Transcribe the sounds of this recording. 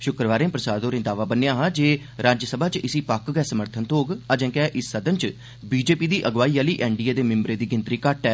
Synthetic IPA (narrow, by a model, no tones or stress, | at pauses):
ʃʊkɾəʋaːɾẽːpɾəsaːd̪oːɾẽːd̪aːʋaːbənːejãːɦãːd͡ʒeː | ɾaːd͡ʒəsəbʱaːt͡ʃɪsiːpəkɡɛːsəməɾt̪ʰənt̪ʰoːɡad͡ʒɛ̃ːkɛːʔɪsːəd̪ənt͡ʃ | biːd͡ʒeːpiːd̪iːʔəɡʋaːiːaːliːʔɛ̃ːɳɖiːaːd̪eːmɪmbɾeːd̪iːɡɪnt̪ɾiːkəʈɛː